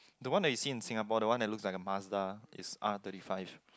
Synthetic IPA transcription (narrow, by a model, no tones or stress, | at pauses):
dəwãndɛt̚wisĩɪ̃nsĩŋapɔdəwãndɛt̚lukslaɪkəmasdaɪ̰sʔa̰t̪əɾifaɪv